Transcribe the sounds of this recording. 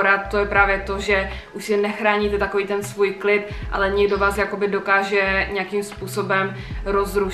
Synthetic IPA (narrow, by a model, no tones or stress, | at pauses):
ɾat̪̚t̪o̞jɛpɾaːvjɛt̪o̞ʒɛʔuʃsɪnɛxɾaːɲit̪ɛt̪akoviːt̪ɛnsvuːjklɪt̪ʔa̰lɛɲɛɡdo̞vaːsjako̞bɪdo̞kaːʒɛɲɛakimspuːso̞bɛmɾozɾu